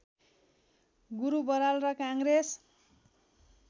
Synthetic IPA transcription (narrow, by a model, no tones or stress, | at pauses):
ɡuɾubʌɾalrʌkaŋres